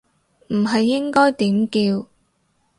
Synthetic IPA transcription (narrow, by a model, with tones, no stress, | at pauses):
m̩˨˩ɦɐ˨jːɪ˥ŋkɔː˥jt̪iː˨˥mkiː˧w